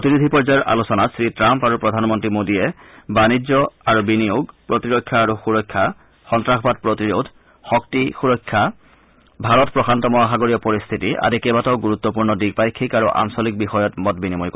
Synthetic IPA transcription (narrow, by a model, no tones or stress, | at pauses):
potinid̪ʱipɔɹzajɔɹʔa̰lusɔnasɹitɹampaɹupɹɔdʱanmɔntɹimodijɛbanid͡ʑɔaɹubinijoɡpɹotiɹɔkʰːjaːɹuxuɹɔkʰːa | xɔntɹaxbat̚pɹotiɹodʱ | xɔk̚tixuɹɔkʰːa | bʱaɹɔtpɹɔxʰantɔmɔaxaɡoɹijɔpɔɹist̪ʰitiʔa̰dikɛbatɔʊɡuɹut̪ːɔpuɹnɔdiɡ̚pajkʰːikaɹuʔa̰msɔlik̚bixɔjɔtmɔtbinimojkɔ